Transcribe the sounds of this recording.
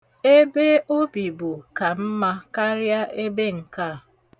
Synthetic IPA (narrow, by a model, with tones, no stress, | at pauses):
e˦be˦o˦bi˨bʊ˨ka˨m̩˦ma˦ka˦ɾja˦e˦be˦ŋ̩˨ka˦˨